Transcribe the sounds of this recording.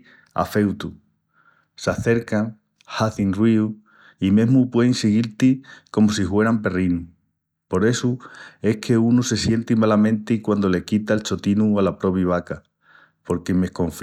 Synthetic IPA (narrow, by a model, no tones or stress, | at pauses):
a̰fe̞wt̪u | saθe̞ɾkaŋ | haθinriu | ime̞ɦmupwe̞ðiŋsiɣ̞iɾt̪iko̞mos̬ihwe̞ɾampe̞rinu | po̞ɾe̞sue̞hkʰe̞unuse̞sje̞nt̪imalamẽnt̪ikwand̪o̞le̞kit̪aelt͡ʃo̞t̪inualapɾo̞βiβ̞aka | po̞ɾkeme̞hkõ̞ɱf